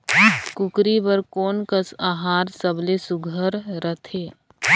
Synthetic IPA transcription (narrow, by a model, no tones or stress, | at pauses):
kʊkɾibəɾkoːnkəsaːɦaːɾsəblesʊɡʱəɾɾət̪ʰeː